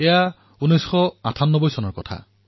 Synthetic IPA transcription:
ɛja | unɔjsxɔatʰanːɔbɔjsɔnɔɹkɔtʰa̰

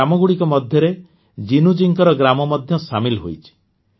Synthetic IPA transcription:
amɔɡuɽikɔmɔd̪ʱjɔɾe | d͡ʒinud͡ʒiŋkɔɾɔɡɾamɔmɔd̪ʱjɔsamilɦojt͡ʃʰi̥

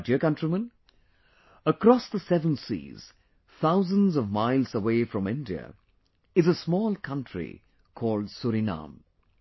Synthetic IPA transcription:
diəkʌ̃ntɹ̥imə̃n | əkɾɔsðəsɛvə̃nsḭːz̥ | θʰaʊzə̃nzʌvmaɪlˠzəweːfɹʌ̃mɪ̃ndiə̰ | ɨzəsmɔːlˠkʰʌ̃ntʰɹḭ | kʰɔːldsuɾinã̰m

